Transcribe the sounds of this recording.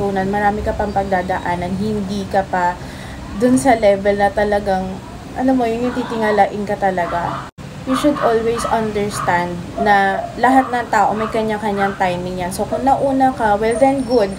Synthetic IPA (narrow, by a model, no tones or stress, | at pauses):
uːnɐnmɐɾaːmɪkɐpɐŋpɐɡ̚d̪aːd̪ɐʔanɐnɦɪnd̪iːkɐpɐ | d̪ʊnsɐlɛvɛlnɐt̪ɐlɐɡaŋ | ʔɐ̰nomo̞jʊŋnɪt̪iːt̪ɪŋalaʔɪnkɐt̪ɐlɐɡa | juʃʊd̪ʔolwɛjsɐnd̪ɛɹst̪and̪̚nɐlɐɦat̪̚nɐŋt̪aːʔo̞mɐjkɐɲaŋkɐɲaŋt̪ajmɪŋɲansokʊŋnɐʔuːnɐkɐwɛld̪ɛnɡʊd̪̚